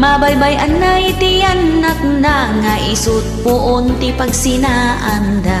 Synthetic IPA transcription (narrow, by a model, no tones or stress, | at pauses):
mabajbajʔɐnːajt̪ɪjanːak̚d̪aŋaʔɪsut̪̚pʊʔont̪ɪpɐɡsɪnaʔɐnd̪a